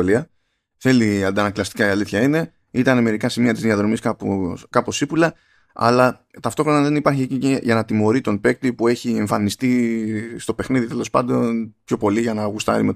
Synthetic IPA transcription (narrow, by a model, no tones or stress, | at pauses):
oliɐ | θe̞liɐnd̪ɐnɐklɐst̪i̥kɐiɐliθçɐine̞ | it̪ɐneme̞ɾikɐsimiɐt̪izðiɐðɾo̞miskɐpukɐpo̞sipulɐ | ɐ̰lɐ | t̪ɐft̪o̞xɾo̞nɐðe̞nipɐɾçiecieʝɐnɐt̪imo̞ɾit̪o̞npe̞k̚t̪ipue̞çie̞ɱfɐnist̪ist̪o̞pe̞xniðit̪e̞lo̞spɐ̰nd̪o̞npço̞po̞liʝɐnɐɣust̪ɐ̰ɾḭme